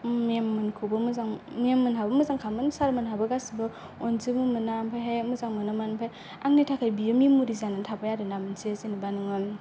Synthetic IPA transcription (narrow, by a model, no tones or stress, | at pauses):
miamːɯnkʰubɯmɯzaŋmiamːɯnɦabɯmɯzaŋkʰamɯnsaɾmɯnɦabɯɡasibɯ | ɔnzimumɯnampʰajɦejmɯzaŋmɯnamanpʰaj | aŋnitʰakʰajbijɯmimuɾizanɯntʰapajaɾɯnamɯnsisinibanɯŋɯn